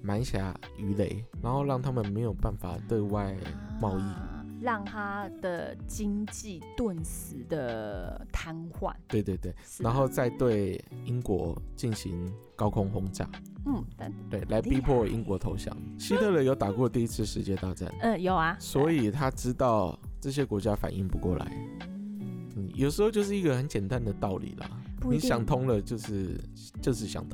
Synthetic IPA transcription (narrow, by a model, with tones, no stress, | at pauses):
ma˧˥nɕja̰˨˥˦ | y˧˥le˧˩˦ɪna˧˥nxo˥˧ʊɻɑ˥˩ŋt̪ʰa˦˥mə˨nme˧˥ɪjo˨˩ʊpa˥˩nfa̰˨˩t̪we˥˧ɪwa˥˧ɪmɑ˥˧ʊi˥˩ɻɑ˥˩ŋt̪ʰa˥d̪̥ə̰˨t͡ɕi˥ŋt͡ɕi˥˩t̪wə˥˩nsɹ̩˨˧˦d̪ə˨t̪ʰa˥nxwa̰˥˩nt̪we˥˧ɪt̪we˥˧ɪt̪we˥˩ɪna˧˥nxo˥˧ʊt͡sa˥˧ɪt̪we˥˩ɪi˥ŋkwɔ̰˧˥˦t͡ɕi˥˩nɕi˧˦ŋ | kɑ˥ʊkʰʊ˥ŋxʊ˥ŋt͡ɕja̰˥˩ | n̩˥˩˧t̪we˥˩ɪla˧˦˥ɪpi˦pʰwɔ˥˨ḭ˥ŋkwɔ˧˥t̪ʰo˧˥ʊɕjɑ̰˨˦ŋɕi˥t̪ʰɤ˥˨lə˨˩jo˧˩ʊt̪a˨˩kwɔ˥˧t̪i˥˧i˧˥t͡sʰɹ̩˥˩ʂɻ̩˧t͡ɕjɛ˥˧t̪a˥˧ʈ͡ʂa̰˥˩n̩˥˩jo˨˩a˧˩swɔ˧˥i˨˩t̪ʰa˦ʈ͡ʂɻ̩˥t̪ɑ˥˩ʊʈ͡ʂɤ˥˩ɕ̬jɛ˦˥kwɔ˧˥t͡ɕja˦˥fa̰˨˩nʔi˥˩ŋpu˧˥kwɔ̰˥˩la̰˧˦ɪ | n̩˥˩jʔo˨˩ʊʂ̬ɻ̩˧˥xo˧ʊt͡ɕjo˥˧ʊʂ̬ɻ̩˥˩i˧˥ɡə˨xə˧˦nt͡ɕjɛ˨˩nt̪a˥˦nd̪ə˨t̪ɑ˥˩ʊlḭ˨˩lɐ̰˩n˧i˧˨˦ɕjɑ˨˩ŋt̪ʰʊ˥ŋlə˨t͡ɕjo˥˧ʊʂɻ̩˥˩ | t͡ɕjo˥˧ʂ̬ɻ̩˥˩ɕjɑ̰˨˩ŋt̪ʰ